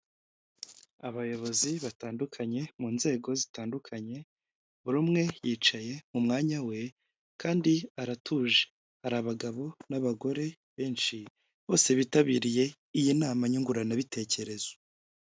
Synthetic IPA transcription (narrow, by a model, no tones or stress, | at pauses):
aβajo̞βo̞ziβataːndukʰaɲe̞muːnze̞ːɡo̞zitaːndukʰaɲe̞ | βuɾumŋe̞jiːt͡ʃaje̞mumŋaːɲawe̞ | kʰaːndiaɾatʰuːʒe | haɾaːβaɡaβo̞naβaɡo̞ɾe̞ | βe̞ːnʃi | βo̞ːse̞βitaβiːɾije̞ | ijinaːmaɲuŋɡuɾanaβitʰe̞ːce̞ɾe̞z̥o